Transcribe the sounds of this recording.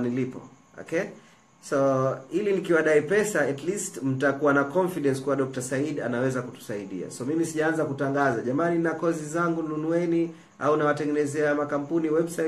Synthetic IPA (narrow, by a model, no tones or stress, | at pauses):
nilipɔ̰ | ɔ̰kɛ | sɔilinikiwaɗaipɛsaɛtlistm̩takuwanakɔnfiɗɛnskuwaɗɔk̚tasaiɗa̰nawɛzakutu̥saiɗḭa̰sɔmimisiʄaanzakutaŋɡazaʄamaninakɔzizaŋɡununuwɛni | a̰unawatɛŋɡɛnɛzɛamakam̩puniwɛɓsa